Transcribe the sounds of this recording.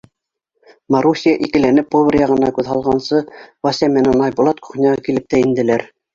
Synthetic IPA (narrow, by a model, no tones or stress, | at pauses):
mɑɾusʲijɑʔikɘ̆lænɘp̚ːovʲɘ̆ɾjɑʁɤ̆nɑkʉðɦɑlˠʁɑnsɤvɑsʲæmænænɑjbulˠɑt̪ku̥χnʲɑʁɑkilɘp̚t̪æind̪ɘ̆læɾ